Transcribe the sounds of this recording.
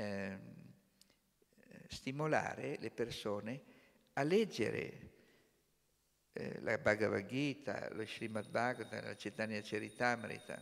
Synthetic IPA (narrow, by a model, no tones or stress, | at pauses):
st̪imola̰ːɾelepersoːne | alɛd͡ʒːḛɾḛ | lʔa̰baɡavaɡit̪a̰loʃɾimat̪baɡt̪ala̰t͡ʃet̪aniat͡ʃeɾit̪ameɾḭt̪a̰